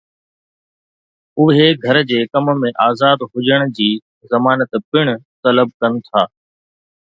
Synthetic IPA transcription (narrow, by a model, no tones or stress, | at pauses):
ʊɦeɡʱɐɾd͡ʑeːkɐmə̆mẽʔaːzaːd̪ɦʊd͡ʑəɽ̃d͡ʑiː | zɐmaːnət̪pɪɽ̃ʊt̪ɐləb̚kɐnɪ̆t̪ʰaː